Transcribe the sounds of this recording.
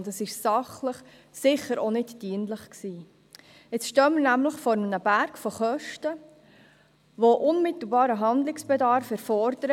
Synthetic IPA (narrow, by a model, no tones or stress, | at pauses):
ntəsɪʃsɑχləχ | sɪχəɾonɪdd̥iənləχksiː | ɪt͡sʃtœməɾnæmləχfɔɾmənəbæɾkfoχœʃtə | ʋoʔʊnmɪt̪l̩bɑːɾəɦɑnd̪lɪksb̥ɛdɑɾfɛɾfɔɾd̥əɾ